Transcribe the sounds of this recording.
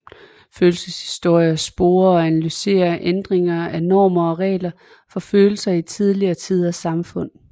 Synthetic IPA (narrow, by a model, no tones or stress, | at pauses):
føːlsəshi̥sd̥o̝ɐ̰jɐsb̥o̝ːɐɒ̽ænælyse̝̰ːɐʔend̥ʁeŋɐænɒ̰ːmɐɒ̽ʁɛ̰ːlɐ | fɒ̽føːl̩sɐit͡sʰið̞ˠliɐːt͡sʰið̞̰ˠɐsɑ̈mfɔ̽n̰